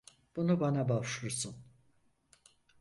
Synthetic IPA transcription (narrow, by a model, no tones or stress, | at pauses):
b̥unubanabavʃuɾsun